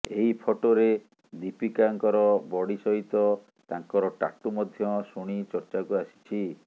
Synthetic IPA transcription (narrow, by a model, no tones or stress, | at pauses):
eɦipʰoʈoɾe | d̪ipikaŋkɔɾɔbɔɽisɔɦit̪ɔ | t̪aŋkɔɾɔʈa̰ʈumɔd̪ʱjɔsuɽ̃it͡ʃɔɾt͡ʃakuasi̥t͡ʃʰi